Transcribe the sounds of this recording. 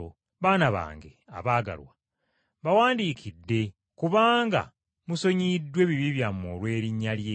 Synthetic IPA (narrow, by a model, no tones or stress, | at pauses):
o | βaːnaβa̰ːŋɡḛa̰βaːɡa̰lwa | βawaːndiːkʰidːe̞ | kuβaːŋɡa̰ | muso̞ɲidːwe̞βiβiβjamo̰ːlwe̞ːɾiɲːalje